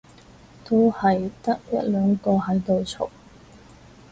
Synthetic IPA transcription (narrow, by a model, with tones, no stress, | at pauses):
t̪o˥whɐ˨jt̪ɐ˥k̚jɐ˥t̚lœː˨˧ŋkɔː˧ɦɐ˨˥jt̪o˨wt͡sʰʊ̰˨k̚